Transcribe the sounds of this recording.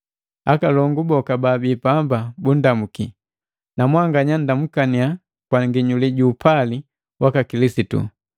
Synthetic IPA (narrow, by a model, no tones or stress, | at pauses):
akalɔŋɡubɔkababipambabun̩damuki | namwaŋɡaɲan̩damukania | kwaŋɡiɲuliɟuːpʰali | wʔakakilisitṵ